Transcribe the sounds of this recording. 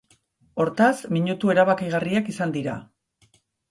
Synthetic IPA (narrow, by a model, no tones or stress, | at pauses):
o̞ɾt̪asmiɲut̪ue̞ɾaβakiɣariakisand̪iɾa